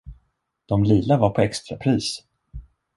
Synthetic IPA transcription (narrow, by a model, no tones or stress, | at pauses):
d̪̥ɔmliːlavaɾpʰɔɛkst̪ɾapʰɾiːs